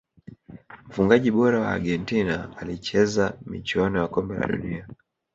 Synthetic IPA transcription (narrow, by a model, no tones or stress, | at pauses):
m̩fuŋɡaʄiɓɔɾawa̰ːɡɛntinaːlit͡ʃɛzamḭt͡ʃuɔnɔjakɔmbɛla̰ɗṵnia